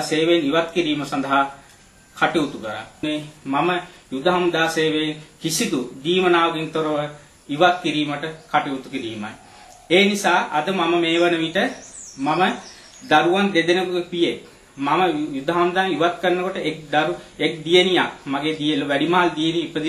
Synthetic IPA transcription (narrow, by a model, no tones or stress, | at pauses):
seːʋejniʋat̪̚kiɾiːməsand̪ɐɦa | kʰaʈeut̪ukəɾa̰nemaməjud̪ʱaɦamd̪aːseːʋeenkisit̪ud̪iːmənaːʋɐɡent̪oɾəʋ | iʋat̪̚kiɾiːməʈəkaʈeut̪ukiɾiːma̰j | eːnisaːʔɐd̪əmaməmeːʋənəʋiʈəmamə | d̪aɾuʋand̪ed̪enəkopijek | maməjud̪ʱaɦamd̪aniʋat̪̚kənːəkoʈəʔek̚d̪aɾuek̚d̪ijenijakmaɡeːd̪ieloʋæɖimaɦald̪ijeniːpəd̪i